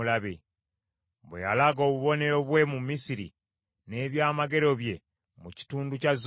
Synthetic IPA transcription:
laβe | βwḛja̰laɡo̞ːβuβo̞ne̞ɾoβwe̞mumːisiɾḭ | ne̞βjaːmaɡe̞ɾo̞βje̞ | muci̥tuːnducaz

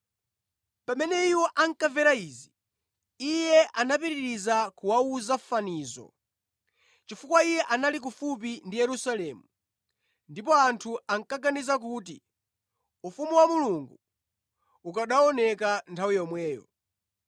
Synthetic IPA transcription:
pamɛnɛiwɔʔaŋ̩kavɛɾaiːzi | ijɛʔanapiɾiɾizakuwauzafaniːzɔ̰ | t͡ʃifukwaijɛʔanalik̬ufup̬indijɛɾusalɛːmu | ndipɔantʰuaŋkaɡanizak̬uːti | ufumuwamuluŋɡu | ukaɗaɔnɛkantʰawijɔmwɛːjɔ̰

